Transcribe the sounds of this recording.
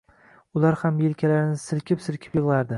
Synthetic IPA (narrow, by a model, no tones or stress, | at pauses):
ʊlaɾhamjelkʲʰalaɾɪnɪsɪɾkʲɪpsɪɾkʲʰɪ̥pjɨʁlˠaɾd̪ɪ